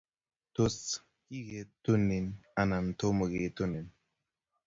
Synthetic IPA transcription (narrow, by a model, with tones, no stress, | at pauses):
to˦s | ki˦ɡe˨tu˦ni˨na˨na˨n˨to˦mo˨ɡe˨˦to˦ni˨n